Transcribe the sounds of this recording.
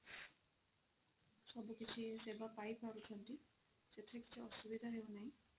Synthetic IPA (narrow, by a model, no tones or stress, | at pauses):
sɔbukit͡ʃʰisebapajpaɾut͡ʃʰɔnti | set̪ʰeki̥t͡ʃʰiɔsubid̪ʱaɦeonaɦĩ